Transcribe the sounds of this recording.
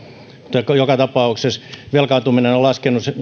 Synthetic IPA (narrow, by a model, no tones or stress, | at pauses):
t̪okojokɑt̪ɑpɑuksesʋelkɑnt̪uminenolɑskenusse